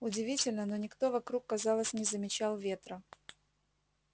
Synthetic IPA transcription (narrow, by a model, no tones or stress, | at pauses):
ʊdʲɪvʲitʲɪlʲnəno̞nʲɪkt̪o̞vɐkɾukːɐzɑlˠəsʲnʲɪzəmʲɪt͡ɕalˠvʲe̞t̪ɾə